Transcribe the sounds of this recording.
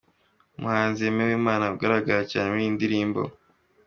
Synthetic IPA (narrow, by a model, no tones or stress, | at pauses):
umuhaːnziemewiːmaːnaɡaɾaɡaɾacaːnemuiːndiɾiːmbo̞̰